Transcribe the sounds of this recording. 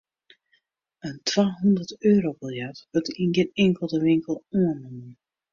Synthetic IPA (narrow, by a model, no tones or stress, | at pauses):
əntʰʋaːɦundərtøːɾobɪlˠjɛtʋøtinɡenɛŋkəlˠdəʋɪŋkəlˠuənumən